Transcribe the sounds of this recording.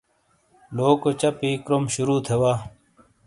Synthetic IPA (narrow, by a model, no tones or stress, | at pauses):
loːkot͡ɕɐpiːkɾomɕuɾuːt̪ʰewaː